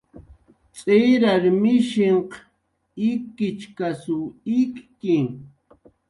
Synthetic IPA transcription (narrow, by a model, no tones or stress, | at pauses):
t͡sʼeɾaɾmɪʃɪɴq | ɪkːɪt͡ʃkasʊɪkkɪ